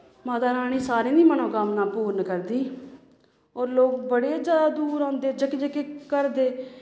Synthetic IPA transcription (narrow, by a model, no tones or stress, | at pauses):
maːt̪aːnaːɽ̃iːsaːɾiːniːməɳõːkəmnaːpuːɾnkəɾd̪iː | oːɾloːk̚bəɽeːd͡ʒjaːd̪aːd̪uːɾãːnd̪eːd͡ʒəkːd͡ʒəkekəɾd̪eː